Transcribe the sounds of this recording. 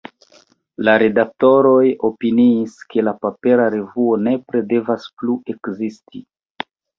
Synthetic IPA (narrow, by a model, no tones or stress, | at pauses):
laɾe̞dak̚to̞ɾo̞jo̞piniːske̞lapape̞ɾaɾe̞vuo̞ne̞pɾe̞de̞vaspluʔe̞kzisti